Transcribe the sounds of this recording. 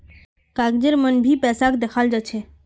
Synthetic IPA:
kaɡd͡ʒeɾmənbʱipɛːsakd̪ekʰald͡ʒat͡ʃʰe

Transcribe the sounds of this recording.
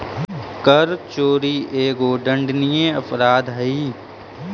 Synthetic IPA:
kəɾt͡ʃoːɾiːʔeːɡoːɖə̃ɳɖnijẽəpʰɾaːd̪ɦɐiː

